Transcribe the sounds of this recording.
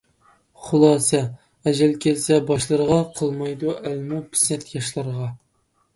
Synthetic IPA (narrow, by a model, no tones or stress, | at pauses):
χʊlˠɑːsɛ | ɛʒɛlkʲʰɛlsɛbɑʃlˠəɾəʁɑqʰəlˠmɑjd̪uʔælmupʰɪ̥snɛt̪ʰjɑʃlˠɑɾʁɑ